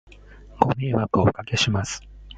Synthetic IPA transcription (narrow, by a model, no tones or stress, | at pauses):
ɡ̥o̞me̞ːβakɯ̟okake̞ɕimasɨ̥